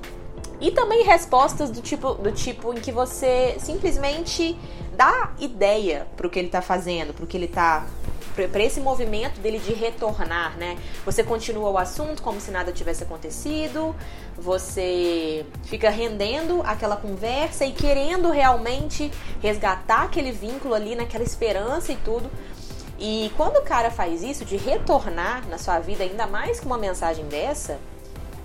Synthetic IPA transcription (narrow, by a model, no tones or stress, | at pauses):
ɪt̪ɐ̃mbẽj̃ɦespɔst̪ɐzd̪ʊt͡ʃipʊd̪ʊt͡ʃipʊẽj̃kɪvosesĩplizmẽnt͡ʃɪ | d̪aid̪ɛjɐpɾʊkɪelɪt̪afazẽnd̪ʊpɾʊkɪelɪt̪apɾpɾɐesɪmovimẽnt̪ʊd̪elɪd͡ʒɪɦet̪oɾnaɾnɛvosekõt͡ʃĩnuɐʊasũnt̪ʊ̥kõmʊsɪnad̪ɐt͡ʃivɛsɪakõt̪esid̪ʊ | vose | fikɐɦẽnd̪ẽnd̪ʊʔakɛlɐkõvɛɾsɐɪkeɾẽnd̪ʊɦeawmẽnt͡ʃɪhezɡat̪aɾakelɪvĩŋkʊlʊalinɐkɛlɐɪspeɾɐ̃sɐɪt̪ud̪ʊ | ɪkwɐ̃nd̪ʊkaɾɐfajzisʊd͡ʒɪɦet̪oɾnaɾnɐsuɐvid̪ɐaĩnd̪ɐmajskɪũmɐmẽsaʒẽj̃d̪ɛɾsɐ